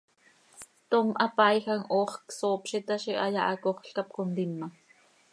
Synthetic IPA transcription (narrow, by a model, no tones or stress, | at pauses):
t̪omʔɑpɑjxɑŋʔoːχksoːpʃit̪ɑʃiʔɑjɑʔɑkoχɬkɑp̚kond̪imːɑ